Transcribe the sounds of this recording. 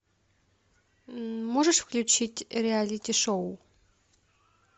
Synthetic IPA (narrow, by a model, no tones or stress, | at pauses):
mɔʐəʂfklʲut͡ɕitʲɾʲɛalʲitʲiʂɔw